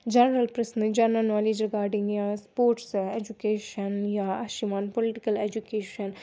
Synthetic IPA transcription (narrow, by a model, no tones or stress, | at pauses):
d͡ʒɐnɾɐlpɾɐsnd͡ʒɐɾnənɔːleːd͡ʒɾɪɡaːɾɖɪ̃ŋɡjaspoːɾʈseːd͡ʒukeːʃənjaaʃimaːnpolɪʈɪkɐleːd͡ʒukeːʃən